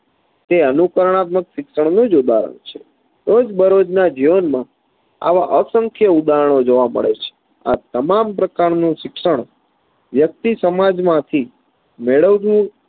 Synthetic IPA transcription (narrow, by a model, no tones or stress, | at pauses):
t̪eənukəɾəɳ̃at̪məkʃɪksʃəɳ̃nũd͡ʒud̪a̰ɾə̰ɳ̃t͡ʃʰe̥ | ɾod͡ʒbəɾod͡ʒnad͡ʒiʋənmã | a̰ʋa̰ʔəsəŋkʰjəud̪aɦəɳ̃od͡ʒoʋamə̰ɭet͡ʃʰe̥ | a̰t̪əmampɾəkaɾnũʃɪkʃəɳ̃ | ʋjək̚t̪isəmad͡ʒmãt̪ʰi | meɭəʋd͡ʒũ